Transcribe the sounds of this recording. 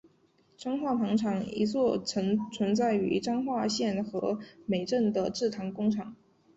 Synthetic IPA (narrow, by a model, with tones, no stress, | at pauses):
ʈ͡ʂɑ˥ŋxwa˥˩pʰɑ˧˥ŋʈ͡ʂʰɑ˨˩ŋḭ˧˥t͡swɔ˥˩t͡sʰə˧˥ŋt͡sʰwə˧˥nt͡sa˥˩ɪy̰˧˥ʈ͡ʂɑ˥ŋxwa˥˧ɕjɛ˥˩nxɤ˧˥me˨˩ɪʈ͡ʂə˥˩nd̪ə˩ʈ͡ʂɻ̩˥˩t̪ʰɑ˧˥ŋkʊ˥ŋʈ͡ʂʰɑ˨˩˦ŋ